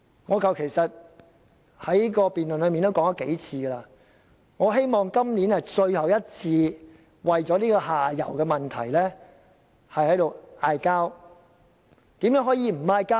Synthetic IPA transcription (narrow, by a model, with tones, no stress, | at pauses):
ŋɔː˨˧kɐ˨wkʰe˨˩jsɐ˨t̚ | hɐ˨˥jkɔː˧piː˨nlɵ˨nlɵ˨˧ɥmiː˨nt̪o˥wkɔː˨˥ŋɔ˧˥kḛ˨˥jt͡sʰiː˧ɡɛ˧laː˧ | ŋɔː˨˧ɦe˥jmɔː˨ŋkɐ˥mliː˨˥nhɐ˨jt͡ʃɵ˧ɥhɐ˨wjɐ˥t̚t͡sʰiː˧ | wɐ˨jt͡sɔː˨˥liː˥kɔː˧haː˨jɐ̰˨˩wkɛː˧mɐ˨nt̪ʰɐ̰˨˩jlɛː˥ | hɐ˨jhɐ˨˥jt̪o˨waː˧jkaː˥w | t̪iː˨˥mjœ˨˥ŋɦɔː˨˥jiː˨˧m̩˨˩aː˧jkaː˥w